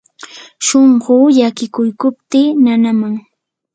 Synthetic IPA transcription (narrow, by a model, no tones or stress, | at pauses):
ʃoɴɢʊːʎakɪkʊjkʊp̚t̪ɪːnanamaŋ